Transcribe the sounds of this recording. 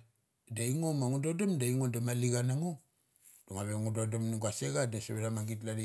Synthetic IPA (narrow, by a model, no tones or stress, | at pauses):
daiŋomaŋudodomdaiŋondamaliɡanaŋo | d̥oŋaβeŋudodomniɡaseɡadaseβeɾamaɡit̬ladi